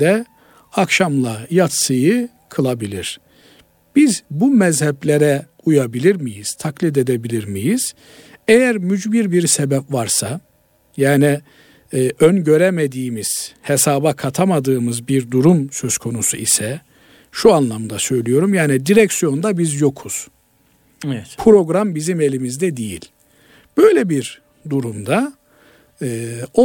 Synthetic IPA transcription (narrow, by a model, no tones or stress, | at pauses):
d̪ɛ | akʃamlˠajat̪sɯjɯ | kʰɯlˠabilʲiɾ̥ | b̥izbumɛzhɛplʲeɾɛ | ujabilʲiɾmijiz̥t̪ʰaklʲid̪e̞d̪ebilʲiɾmijiz̥ | ejæɾmyd͡ʒbiɾbiɾsebɛpvaɾsa | jaːni | ønɟø̞ɾemed̪iːmiz̥hesaːbakʰat̪ʰamad̪ɯːmɯzbiɾd̪uɾumsøzkʰo̞nusuisɛ | ʃuanlˠamd̪asø̞jlʲijo̞ɾumjaːnid̪iɾɛcsijo̞nd̪abizjo̞kʰuz̥ | ɛpʰɾo̞ɡɾambizime̞lʲimizd̪ɛd̪ijḭlʲ | b̥ø̞jlʲɛbiɾ | d̪uɾumd̪a | o